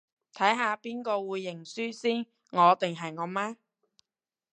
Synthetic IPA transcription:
t̪ʰɐ˨˥jɦaː˨˧piː˥nkɔː˧wuː˨˧jːɪ˨˩ŋsyː˥siː˥ | ŋɔː˨˧t̪ɪ˨ŋɦɐ˨jŋɔː˨˧maː˥

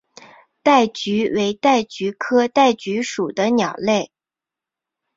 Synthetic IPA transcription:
t̪a˥˩ɪt͡ɕy˧˥we˧˥ɪt̪a˥˩ɪt͡ɕy˧˥kʰɤ˥t̪a˥˩ɪt͡ɕy˧˥ʂu˨˩d̪ə˦njɑ˨˩ʊle˥˩ɪ

